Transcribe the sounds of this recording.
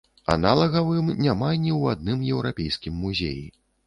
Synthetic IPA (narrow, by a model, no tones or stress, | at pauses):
a̰nalˠɐɣɐvɨmnʲamanʲiwad̪̚nɨmjɛwɾʔapʲejskʲimːuzʲḛji